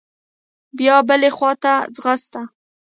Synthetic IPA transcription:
bjɑbəlexwɑt̪ad͡zɣast̪a

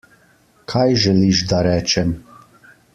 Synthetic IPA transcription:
kʰajʒɛliʃd̪aɾɛt͡ʃɛm

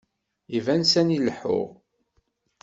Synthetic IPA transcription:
ivænsæniləħʊ̰ʁ

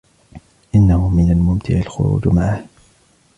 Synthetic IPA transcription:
ʔɪnːahʊmɪnalmʊmt̪ʰɪ̰ʕɪlxʊ̰ɾṵːd͡ʒmaʕah

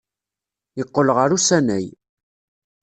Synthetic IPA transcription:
jəqːəlʁəɾusænæj

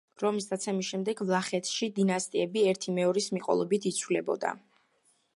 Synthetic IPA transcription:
ɾɔmisd̪at̪sʰɛmisʃɛmd̪ɛɡvlˠaχɛt̪ʰʃid̪inast̪ʼiɛbiɛɾt̪ʰimɛɔɾismiqʼɔ̰lˠɔbit̪ʰit̪sʰwvlɛbɔ̰d̪a̰

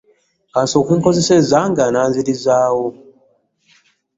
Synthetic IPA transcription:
kaːnsiokwiːŋko̞zesezaŋɡanaːnziɾizaːwo

